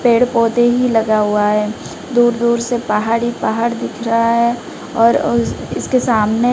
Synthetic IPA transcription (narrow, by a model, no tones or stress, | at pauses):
peːɽpɔːt̪eɦilɐɡaɦuaɦɛː | d̪uːɾd̪uːɾsepaːɦaːɾipaɦaːɾd̪ɪkʰɾɐɦaɦɛ | ɔːɾɪskesaːmne